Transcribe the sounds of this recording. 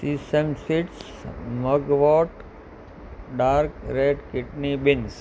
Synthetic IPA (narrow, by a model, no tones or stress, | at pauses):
sisemsiʈs | məɡʋɔːʈ | ɖaːɾkɾeɖkɪʈnibɪns